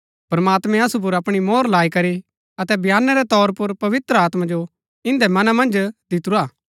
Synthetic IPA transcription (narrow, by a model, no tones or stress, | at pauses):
pɾɐmaːt̪mɛ̃ɐsup̬ʊɾɐpɽ̃imɔːɾlaːikɐɾi | ɐt̪ɛbʱjaːnːɛɾɛt̪ɔːɾpʊɾpɐʋɪt̪ɾəaːt̪mãd͡ʒo | ɪ̃nd̪ɛmɐnamɐ̃nd͡ʒd̪ɪt̪uɾaː